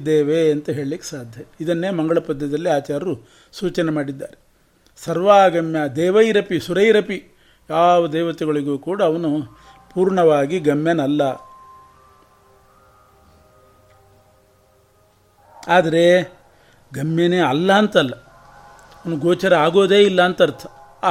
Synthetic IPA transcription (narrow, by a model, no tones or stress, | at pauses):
d̪eːʋeɐnt̪ɐɦe̞ːɭilikːe̥saːd̪ʱjɐid̪ɐnːeːmɐŋɡɐɭɐpɐd̪ːɐd̪ɐlːiaːt͡ʃaːɾɐɾu | suːt͡ʃɐnemaːɽid̪ːaːɾe | sɐɾʋaːɡɐmjɐd̪ɛːʋɐjɾɐpisuɾɐjɾɐpi | jaːʋɐd̪eːʋɐt̪ɛɡɐɭiɡuːkuːɽɐːʋɐnu | puːɾɳɐʋaːɡiɡɐmjɐnɐlːɐ | aːd̪ɐɾe̞ | ɡɐmjɐneːɐlːɐːnt̪ɐlːɐ | ɐʋɐnuɡoːt͡ʃɐɾɐaːɡo̞ːd̪e̞ːilːɐːnt̪ɐɾt̪ʰɐ̥